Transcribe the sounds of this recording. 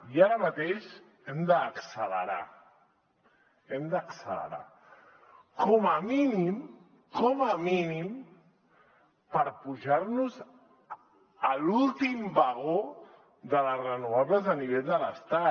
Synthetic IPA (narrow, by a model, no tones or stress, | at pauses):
iaɾəmət̪eʃ | ɛmd̪əːksələ̰ɾa̰ | ɛmd̪əksələ̰ɾa̰ | kɔməminim | kɔməminim | pəɾpuʒaɾnuz | əlulˠt̪imbəɣ̞o | ðələsrənuaβləzəniβ̞eʎðələst̪a